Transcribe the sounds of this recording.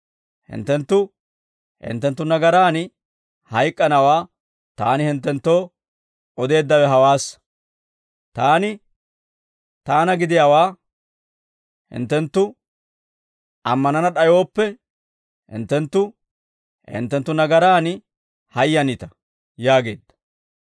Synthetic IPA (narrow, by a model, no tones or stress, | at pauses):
hɪ̰nt̪ːɛnt̪ːʊ | hɪ̰nt̪ːɛnt̪ːʊnɐɡɐɾaːn | hɐjkʼːɐnɐwaː | t̪a̰ːnɪhɪnt̪ːɛnt̪ːo̞ː | ʔɔd̪e̞ːd̪ːɐwɛɦɐwaːs | t̪aːnɪ | t̪aːnɐɡɪd̪ɪjawaː | hɪ̰nt̪ːɛnt̪ːʊ | ʔɐmːɐnɐnɐɗɐjo̞ːpːɛ | hɪ̰nt̪ːɛnt̪ːʊ | hɪ̰nt̪ːɛnt̪ːʊnɐɡɐɾaːn | hɐjːɐnɪt̪ɐ̥ | jaːɡe̞̰ːd̪ːɐ̥